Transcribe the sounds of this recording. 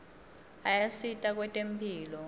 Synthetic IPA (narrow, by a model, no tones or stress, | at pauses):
ajasitʼak̬ʼwɛtʼempʰʼiːlɔ